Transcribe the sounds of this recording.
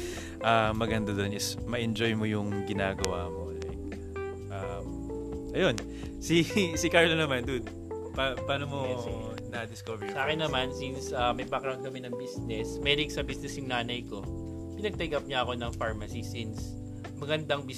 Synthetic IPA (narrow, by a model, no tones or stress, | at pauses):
ʔamɐɡɐnd̪ad̪onɪsmɐʔɛnd͡ʒo̞jmojʊŋɡɪnaːɡɐwa̰ːmola̰j | ʔam | ʔɐjo̞n | sisikaɹlonɐmand̪un | papaːnomo | nɐd̪ɪskovɛsʔaːkɪnːɐmansinsʔɐmɐjpakɐɾonkɐmɪnɐŋbisnɛsmɛːd̪ɪɡsɐbisnɛsjʊŋnaːnɐjko̞ | pɪnɐɡ̚t̪ɛɡɐp̚ɲaɐko̞nɐŋfaɹmɐsisins | mɐɡɐnd̪ɐŋbi